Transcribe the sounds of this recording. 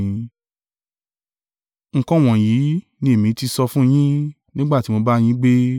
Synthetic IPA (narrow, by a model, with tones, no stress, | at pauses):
ŋ̩˦˨kɔ̃˦˨w̃ɔ̃˨ji˨˦ | nĩ˧e˨mĩ˨˦ti˧sɔ˧fũ˦j̃ĩ˦ | nĩ˦ɡ͡ba˦ti˨˦mo˧ba˦j̃ĩ˦ɡ͡be˦